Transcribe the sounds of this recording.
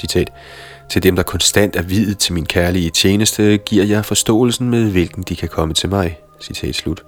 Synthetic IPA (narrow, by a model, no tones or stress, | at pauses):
sit͡sʰɛ̰ːd̥ | t͡sʰe̝ld̥emd̥ɑ̈kʰɒ̽nsd̥æn̰d̥æɐʋiðˠð̩ˠt͡sʰe̝lminkʰæɐliət͡ɕʰjeːnəsd̥əɡ̥iɐ̰jɑ̈ɪfɒ̽sd̥ɔ̰̽ːl̩sn̩með̞ˠʋe̝lɡ̥n̩d̥ikʰækʰɒ̽mət͡sʰe̝lmɑ̈ɪ | sit͡sʰɛ̰ːd̥slud̥